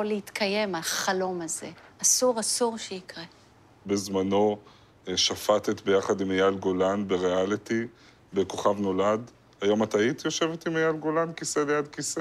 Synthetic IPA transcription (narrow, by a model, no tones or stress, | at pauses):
oleit̪kʰaje̞malaχalo̞maze̞̰asuʁasuʁʃeikʁe | be̞zmano̞ | ʃafat̪et̪be̞jaχadimajalɡo̞lanbe̞ʁealit̪i | be̞ko̞χavno̞lad | hajo̞matait̪jo̞ʃe̞vetimajalɡo̞lankiselejad̪kise